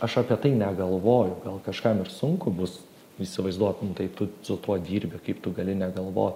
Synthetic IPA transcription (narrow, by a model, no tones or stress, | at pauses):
ɐʃɐpʲiɛt̪ɐɪnʲɛɡɐlˠʋoːjʊɡɐlˠkɐʃkɐmɪrsʊŋkʊbʊs | isʲɪʋɐɪzd̪uɔt̪nʊt̪ɐɪpt̪ʊsʊt̪uɔd̪ʲiːɾʲbʲɛkɐɪpt̪ʊɡɐlʲɪnʲɛɡɐlˠʋo̰ːt̪